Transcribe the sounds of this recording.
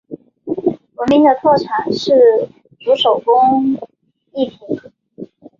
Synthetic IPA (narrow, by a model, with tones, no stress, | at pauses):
wə˧˥nmi˧˥ŋd̪ə˨˧t̪ʰwɔ˥˩ʈ͡ʂʰa˨˩˦ʂɻ̩˥˩ | t͡su˧˥ʂo˨˩ʊkʊ˥ŋ | i˥˩t̪ʰi˧˥